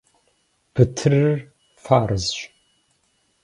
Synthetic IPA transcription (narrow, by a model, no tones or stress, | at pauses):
b̥ɨtʰɨrɨr | faːɾɨzɕ